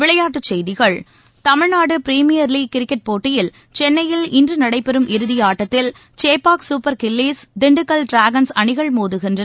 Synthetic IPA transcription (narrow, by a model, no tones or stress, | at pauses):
ʋɪɭɐjaːʈːɯt͡ʃːɛjðɪɣɐɭ | t̪ɐmɪɻnaːɽɯpɪɾiːmɪjɐɾliːkɪɾɪkːɛʈ̚poːʈːɪjɪl | t͡ʃɛnːɐjɪlɪndrɯnɐɽɐɪpːɛɾɯmɪɾɯðɪjaːʈːɐt̪ːɪl | t͡ʃeːpaːksuːpɐɾkɪlːiːsd̪ɪɳɖɯkːɐlɖɾaːɡɐnsɐɳɪɣɐɭmuːðɯɣɪndrɐ